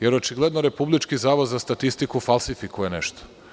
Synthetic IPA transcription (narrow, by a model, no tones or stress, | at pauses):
jeɾot͡ʃiɡlˠed̪noɾe̞publit͡ʃkizaːʋod̪zast̪at̪ist̪ikufalˠsifikuje̞nḛʃt̪o̥